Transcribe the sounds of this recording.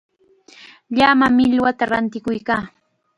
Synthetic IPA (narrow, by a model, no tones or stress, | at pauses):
ʎamamɪʎwat̪aɾant̪ɪkʊjkaː